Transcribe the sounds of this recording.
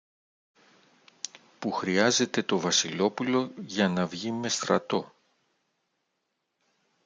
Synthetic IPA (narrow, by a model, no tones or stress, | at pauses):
puxɾiɐze̞t̪e̞t̪o̞vɐsilo̞pulo̞ʝɐnɐvʝime̞st̪ɾɐ̰t̪o̞